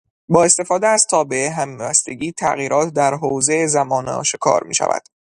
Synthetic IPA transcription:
bɒːe̞st̪efɒːd̪eæz̥t̪ʰɒːbe̞eɦæmbæst̪e̞ɟiːt̪ʰæ̰ɣiːɾʔɒːt̪ʰd̪æɾɦoːzeezæmɒːnɒ̰ːʃekʰɒ̰ːɾmḭːʃæ̰væ̰d̪̥

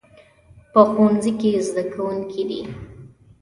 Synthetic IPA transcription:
pəxwanzikezd̪akawuŋkʰid̪i

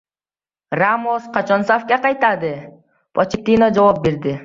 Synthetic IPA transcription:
ramosqɑt͡ʃansafkeqɑjt̪ɑd̪ɯ | pʰot͡ʃɪt̪inod͡ʒowop̚beɾd̪ɪ

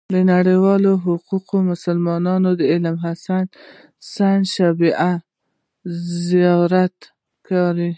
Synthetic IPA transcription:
d̪ənaɽəjwɑloɦʊquqomʊsalmɑnɑnod̪əɪlmɦasan | sanʃabiʔa | zijɑɾat̪ | kɑɾi

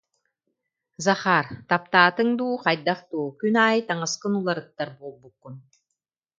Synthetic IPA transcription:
zaχaːɾt̪ap̚t̪aːt̪ɯŋd̪uːqajd̪aχt̪uːkynaːjt̪aŋasqɯnulˠaɾɯt̪ːaɾbuːlˠbukːun

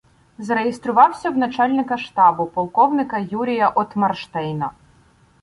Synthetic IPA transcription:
zɾejest̪ɾʊʋɑwsʲɐwnɐt͡ʃɑlʲnɪkɐʃt̪ɑbʊpɔlˠkɔwnɪkɐjuɾʲijɐʔɔt̪mɐrʃt̪ɛjnɐ

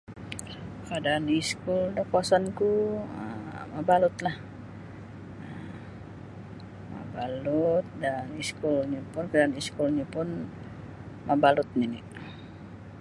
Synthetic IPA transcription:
kadaːniskuldakuasankuə̰mabalʊt̪lah | ə | ma̰balut̪̚daniskulɲapʊnkadaaniskulɲapʊn | mabalʊt̪̚niniʔ

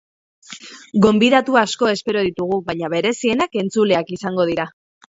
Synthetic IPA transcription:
ɡo̞mbiðat̪uasko̞e̞spe̞ɾo̞ðit̪uɣ̞uβajɲaβe̞ɾe̞sie̞nake̞nt͡sule̞akisaŋɡo̞ð̞iɾa

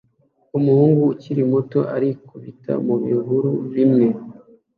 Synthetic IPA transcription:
umuhuːŋɡuːciɾimoto̞̰ʔaɾikuβita̰muβḭɡuɾuβimŋe̞

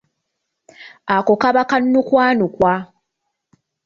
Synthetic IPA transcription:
akokaβakannukwaːnukwa

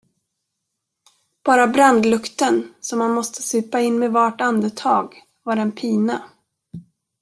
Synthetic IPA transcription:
b̥ɑːɾabɾand̪lɵkt̪ənsɔmːanmɔst̪ə̥sʉ̟ːpaɪnːmɛvaʈand̪ət̪ʰɑːɡ | vaɾɛnpʰiːna

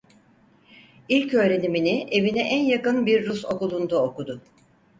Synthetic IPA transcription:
ilʲcø̞ːɾe̞niminie̞vinɛʔænjakɯnbiɾːuso̞kulˠund̪aokud̪ʊ

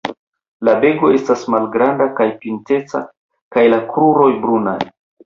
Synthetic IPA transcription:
labe̞ɡo̞e̞stasmalɡɾandakajpinte̞t͡sa̰ | kajlakɾuɾo̞jbɾuna̰j

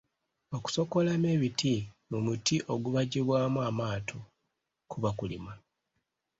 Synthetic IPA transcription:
o̞ku̥so̞ko̞lameːβitʰimumutiʔo̞ɡuβaɟiβwaːmuamaːtʰo | kuβakulḭma

